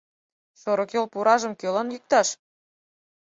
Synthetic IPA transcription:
ʃoɾokølpuɾɑʒə̆mkølɑnjik̚t̪ɑʃ

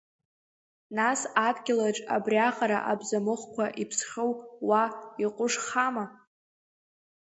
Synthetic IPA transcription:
nasadɡʲɪlaʈ͡ʂʼa̰briaχaɾa̰ʔabzamɨχkʷʰaʔipʰsχʲowwaiqʼʊʂχama

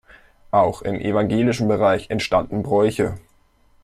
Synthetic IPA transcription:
ʔaʊxɪ̰mʔḛvaŋɡeːlɪʃn̩bəʁaɪçɛntʃtandn̩bʁɔʏçə

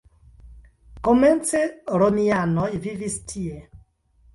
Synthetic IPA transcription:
kɔmɛnt͡sɛɾonianɔivivistʰie

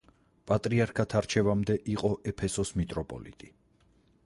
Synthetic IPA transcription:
pʼat̪ʼɾiaɾkʰat̪ʰaɾt͡ʃʰɛvamd̪ɛʔiqʼɔʔɛpʰɛsɔsmit̪ʼɾɔpʼɔ̰lḭt̪ʼi

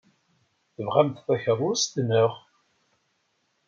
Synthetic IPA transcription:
θəvʁæmt̪θæçəɾˤːʊst̪nəʁ

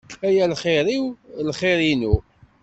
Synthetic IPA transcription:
æjælχɪɾiwlχɪɾinu

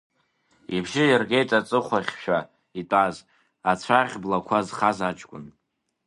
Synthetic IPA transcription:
ibʒɪjarɡejtʼat͡sʼɨχʷaχʲʃᶣa | itʼaz | at͡sʷʰaʁʲblakʷʰazχazat͡ʃʼkʷʼʊ̰n

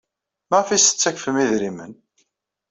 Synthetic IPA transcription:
məʁfisə̥t͡sːæçfəmiðɾimə̰n

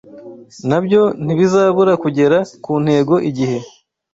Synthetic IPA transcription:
nabjo̞n̥iβizaːβuɾakuɟe̞ɾakuːn̥he̞ːɡo̞ʔiɟihe̞

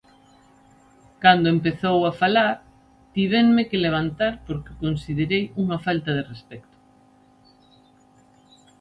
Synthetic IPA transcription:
kand̪oempeθowafalaɾ | t̪iβ̞enmekeleβ̞ant̪aɾpoɾkɪ̥konsið̞eɾejuŋafalt̪ɐðerespɛkt̪ʊ̥

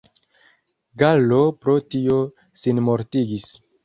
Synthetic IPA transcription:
ɡalo̞pɾo̞tio̞ | sinmo̞ɾtiɡis

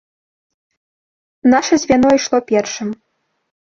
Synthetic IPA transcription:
naʃɐzʲvʲanɔiʂlˠɔpʲɛrʂɨm

